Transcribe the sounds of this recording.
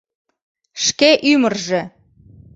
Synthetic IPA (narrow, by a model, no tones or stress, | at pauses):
ʃkeʔymərʒĕ